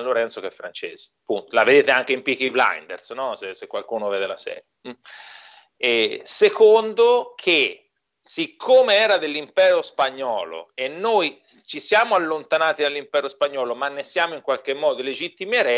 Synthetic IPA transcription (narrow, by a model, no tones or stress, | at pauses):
aloɾɛnt̪sokɛfːɾa̰nt͡ʃḛːz̥e̥punt̪olaved̪eːt̪eaŋk̟eimpikibla̰jnd̪ḛɾsnɔsesekːwalkuːnovɛːd̪elasɛ̰ːɾjam̩ | ɛsekond̪okʰe | sikʰːoːmeɛːɾad̪elːimpɛːɾospaɲːɔːlo̰enːojt͡ʃisjaːmoalːont̪anaːt̪id̪alːimpɛːɾospaɲːɔːlomanːesjaːmoiŋkwalk̟emːɔːd̪oled͡ʒit̪ːimjaɾɛ